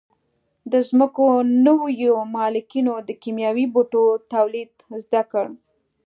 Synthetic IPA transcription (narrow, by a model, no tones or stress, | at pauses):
d̪əzməkonəwjomɑlɪkinod̪əkimjɑwiboʈot̪awlid̪zd̪akəɽ